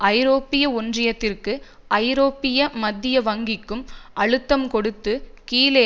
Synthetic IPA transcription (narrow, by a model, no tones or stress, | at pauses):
ʔɐɪɾoːpːɪjɐʊndrɪjɐt̪ːɪrkɯ | ʔɐɪɾoːpːɪjɐmɐd̪ːɪjɐʋɐŋɡɪkːɯmʔɐɻɯt̪ːɐmkɔɽɯt̪ːɯkiːleː